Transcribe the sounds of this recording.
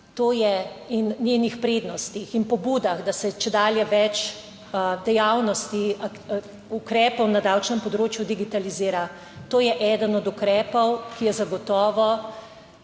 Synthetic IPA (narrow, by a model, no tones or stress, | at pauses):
t̪oːjɛinnjenixpɾeːd̪nɔst̪ixinpɔbuːd̪aɣd̪asɛt͡ʃɛd̪aːljɛʋɛt͡ʃ | d̪ɛjawnɔst̪ia | ukɾɛːpɔwnad̪awt͡ʃnɛmpɔd̪ɾoːt͡ʃjud̪iɡit̪aliziːɾa | t̪oːjɛʔɛd̪ənɔd̪ukɾɛːpɔwkijɛzaɡɔt̪ɔːʋɔ